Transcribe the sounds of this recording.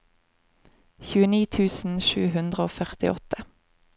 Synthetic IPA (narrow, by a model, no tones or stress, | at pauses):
çʉːəniːt̪ʰʉːsn̩ʃʉːhʉnd̪ʁəoːfœʁt̪ɪ̰ʔɔt̪ʰə